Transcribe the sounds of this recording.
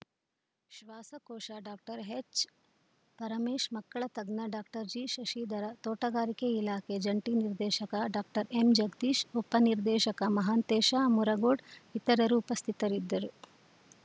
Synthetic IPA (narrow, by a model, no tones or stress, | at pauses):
ʃʋaːsɐkoːʃaɖaːk̚ʈɐɾɦet͡ʃ | pɐɾɐmeːʃmɐkːɐɭɐt̪ɐɡnɐɖaːk̚ʈɐɾd͡ʒiʃɐʃiːd̪ɐɾɐt̪oːʈɐɡaːɾikeilaːked͡ʒɐɳʈiːniɾd̪ɛːʃɐkɐɖaːk̚ʈɐɾemd͡ʒɐɡd̪iːʃupɐniɾd̪ɛːʃɐkɐmɐɦaːnt̪eːʃaːmuɾɐɡoːɖit̪ɐɾɐɾuːpɐst̪ʰit̪ɐɾid̪ːɐɾu